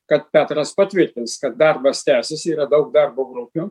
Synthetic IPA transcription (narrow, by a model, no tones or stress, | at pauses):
kɐt̪̚pʲæːt̪ɾɐspɐt̪ʲʋʲɪɾʲt̪ʲɪnskɐt̪̚d̪ɐrbɐst̪ʲæːsʲɪsiːɾɐd̪ɐʊk̚d̪ɑrboːɡɾʊpʲʊ